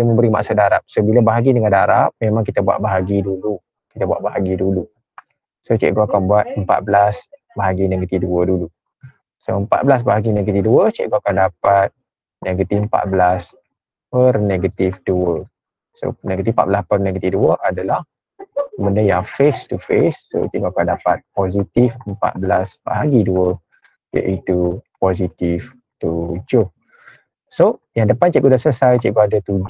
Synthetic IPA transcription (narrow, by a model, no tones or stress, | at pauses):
əməmbəɾima̰ʔsadaɾap̚sobiləbaɦaɡidəŋãndaɾap̚memãŋkit̪əbua̰tʔ̚baɦaɡidulu | kit̪əbua̰ʔbaɦaɡidulu | sot͡ʃḛʔɡoakanbuat̪̚əmpa̰t̪̚bəlas | baɦaɡineɡət̪ifduədulu | soəmpa̰t̪̚bəlas̬baɦaɡineɡət̪ifduət͡ʃḛʔɡoakandapat̪̚ | neɡət̪ifəmpa̰t̪̚bəlas | pərneɡət̪ifduə | so̰neɡət̪ifpa̰ʔ̪̚bəlaspərneɡət̪ifduəʔadəlah | mə̃ndəjafest̪ufesːo̰t͡ʃiʔɡoakandapat̪̚pozit̪ifəmpa̰t̪̚bəlasba̰ɦaɡiduə | t͡ʃɛ̰ʔit̪upozit̪if | t̪ud͡ʒʊh | sojaŋdəpant͡ʃɛʔɡudasəsajt͡ʃɛʔɡoadət̪ud͡ʒ